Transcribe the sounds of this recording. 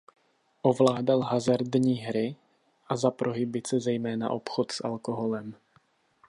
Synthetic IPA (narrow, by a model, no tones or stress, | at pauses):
ʔovlaːdalɦazaɾd̪ɲiːɦɾɪ | ʔazapɾoɦɪbɪt͡sɛzɛjmɛːna̰ʔo̞pxot̪sʔa̰lkoɦolɛm